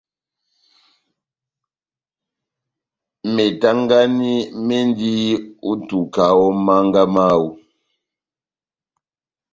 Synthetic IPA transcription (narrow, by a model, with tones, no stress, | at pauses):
me˨ta˦ŋɡa˦ni˦me˦n˦di˦u˦tu˨ka˨wɔ˦ma˦ŋ˦ɡa˦ma˦u˦